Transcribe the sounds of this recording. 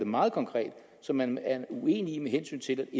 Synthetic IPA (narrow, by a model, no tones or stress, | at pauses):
d̥emɑ̈ːð̞̩ˠkʰɒ̽ŋkʰʁɛ̰ːd̥ | sɒ̽mænæɐue̝̰ːnimeɦensy̰ːnt͡sʰe̝læd̥e